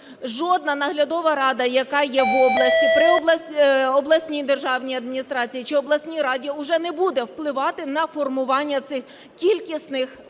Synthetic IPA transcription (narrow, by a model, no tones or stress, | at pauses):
ʒɔd̪̚nɐnɐɦlʲɐd̪ɔʋɐɾɑd̪ɐjɐkɑjɛʋɔblˠɐsʲtʲip̪ɾɪɔbˠɐɔblˠɐsʲnʲijd̪erʒɑwnʲijɐd̪mʲinʲist̪ɾɑt͡sʲijit͡ʃɪɔblˠɐsʲnʲiɾɑdʲiʊʒɛnɛbud̪ɛwplˠɪʋɑt̪ɪnɐfɔrmʊʋɑnʲːɐt̪sɪx | kʲilʲkʲisʲt̪nɪx